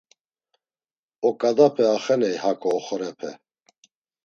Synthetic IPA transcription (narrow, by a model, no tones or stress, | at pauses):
ɔkʼad̪apʰɛaχɛnɛjhakʰɔːχɔɾɛpʰɛ̰